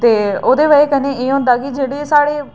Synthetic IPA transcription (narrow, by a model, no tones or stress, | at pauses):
t̪eːoːd̪eːʋaeːkəneːʔeːɦõːnd̪aːkɪd͡ʒeːɽiːsaːɽeː